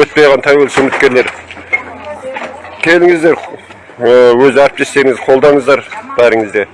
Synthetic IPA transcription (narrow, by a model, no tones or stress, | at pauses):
ɵt̪̚pejʁɑnt̪ʰɑwelsɵmɪt̪̚kʲe̞ɾle̞ɾ | kʲʰe̞lɪŋɪzd̪e̞ɾ | wɵzɪæɾɪp̚t̪ʰe̞st̪e̞ɾɪŋɪzqʰo̞lˠd̪ɑɴəzd̪ɑɾb̥æɾɪŋɪzd̪e̞